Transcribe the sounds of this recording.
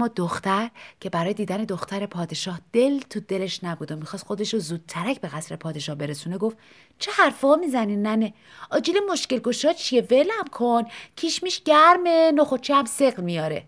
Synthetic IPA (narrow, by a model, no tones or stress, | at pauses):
mːɒːd̪oxt̪æɾcʰe̞bæɾɒːje̞d̪iːd̪æne̞d̪oxt̪ʰæɾe̞pʰɒːd̪e̞ʃɒːhd̪̥e̞lt̪ʰud̪e̞le̞ʃnæbuːd̪omixɒːst̪xo̞d̪e̞ʃozuːd̪̥̚t̪ʰæɾæcʰbe̞ɣæsɾe̞pʰɒːd̪e̞ʃɒːhbe̞ɾe̞suːne̞ɡof | t͡ʃʰehæɾfɒːmizæninːæne | ɒːd͡ʒilemo̞ʃce̞lɡo̞ʃɒːt͡ʃʰie̞velæmkʰoncʰiʃmiːʃɟæɾmenoχot͡ʃʰiæmseɣlmijɒːɾe̞̰